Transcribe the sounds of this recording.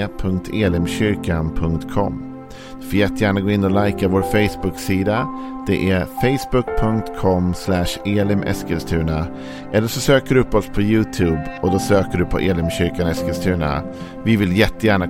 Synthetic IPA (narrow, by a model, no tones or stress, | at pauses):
əpʰɵŋkt̪ʰeːlɪmɕʏɾkanpʰɵŋkt̪kʰɔ̰mː | d̪̥ɵfɪljɛt̪ːəjæːɳaɡoːɪnːɔlajkavoːɾfɛɪsbɵksiːd̪a | d̪̥ɛʔæfɛɪsbɵk̚pʰɵŋkt̪kʰɔmslæʂeːlɪmʔɛ̰skəlst̪ʰʉ̟ːna | ʔɛlːəʂɔsøːkəɖɵɵpːɔspʰɔjʉ̟ːt̪ʰʉːbɔd̪ɔsøːkəɖɵpʰɔ̰ʔeːlɪmɕʏɾkanɛskɛlst̪ʰʉ̟ːna̰ | vɪvɪljɛt̪ːəjæːɳa